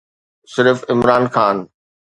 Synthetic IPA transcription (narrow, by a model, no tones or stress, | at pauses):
sɪɾfɪmɾaːnxaːn